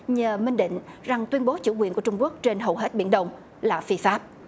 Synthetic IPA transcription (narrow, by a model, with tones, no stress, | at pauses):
ɲəː˨˩mï˧ŋ̟ɗḭ̈˧˨ŋ̟za˨˩ŋt̪wi˧ənɓo˨˦t͡ɕṵ˧˩kwi˨˩nkət͡ɕʊ˧ŋ͡mku˦˥ək̚t͡ɕe˧nɦə˨˩wɦe˦˥t̚ɓḭ˧˩ənɗə˧wŋ͡m | laː˨˩fi˧faː˦˥p̚